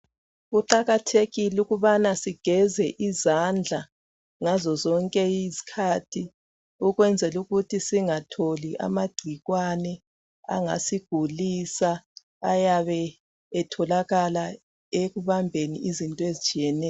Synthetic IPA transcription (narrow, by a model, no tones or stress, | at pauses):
uǃaɣatʰeɣiluɣuβanasiɡ̥ʱɛzɛʔizand͡ɮʱa | ŋazɔzɔŋkʼɛjizi̥kʰaːtʰi | uɣwɛnd͡zʱɛluɣutʰisiŋatʰoliʔa̰maɡ͡ǀ̥ʱiɣwanɛ | a̰ŋa̰siɡ̥ʱulisaː | jaβɛː | tʰɔlaɣala | eɣuβambʱeniʔizintʼɔezit͡ʃʼijɛnɛː